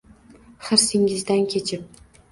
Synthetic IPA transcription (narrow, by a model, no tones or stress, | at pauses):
χɨɾsɪŋɪzd̪ankʲʰet͡ʃʰɪp̚